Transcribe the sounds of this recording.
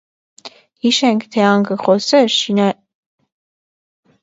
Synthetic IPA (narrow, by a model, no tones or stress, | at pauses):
hiʃɛŋkʰt̪ʰɛɑŋɡəχɔsɛɾʃinɑ